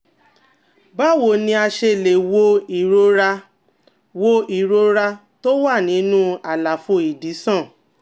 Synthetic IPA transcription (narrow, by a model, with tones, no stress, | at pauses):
ba˦˨wo˨nĩ˧a˧ʃe˧˨le˨wo˧i˨ɾo˧ɾa˧ | wo˧ʔi˨ɾo˧ɾa˧ | to˦wa˦˨nĩ˨˦nũ˦a˨la˨fo˧i˨di˨˦sɔ̃˦˨